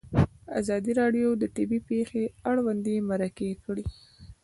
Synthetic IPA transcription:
azɑd̪iɾɑɖjod̪əʈ̪ɪbipexeaɽwand̪emaɾakekɽi

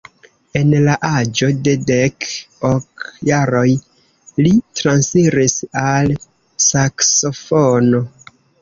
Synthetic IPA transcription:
e̞nlaʔad͡ʒo̞de̞de̞kokjaɾo̞j | litɾansiɾisal | sakso̞fono̞

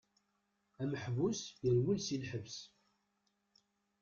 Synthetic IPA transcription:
æməħvusjəɾwilsilħəvs

